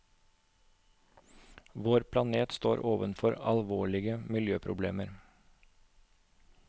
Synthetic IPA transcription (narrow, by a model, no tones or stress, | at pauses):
ʋoːɾpʰlɑneːt̪st̪oːɾʔoːʋənfɔɾɑ̰lʋoːɭɪɡəmɪljøːpʰɾʊ̰blḛːməɾ